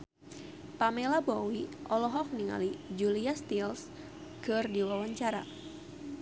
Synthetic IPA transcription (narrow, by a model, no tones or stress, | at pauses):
pamelabɔwiʔɔlɔɦɔfniŋa̰lid͡ʒuliast̪ils | kɨrdiwawaɲt͡ʃaɾa̰